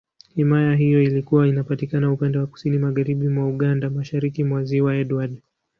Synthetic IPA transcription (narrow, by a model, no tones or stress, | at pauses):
himajaɦijɔilikuwainapatikanaupandɛwaku̥sinimaɣaɾiɓimwauɠandamaʃaɾikimwaziwaɛɗwaɗ